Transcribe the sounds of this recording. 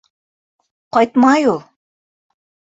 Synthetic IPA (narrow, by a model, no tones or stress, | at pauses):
qɑjt̪mɑjulˠ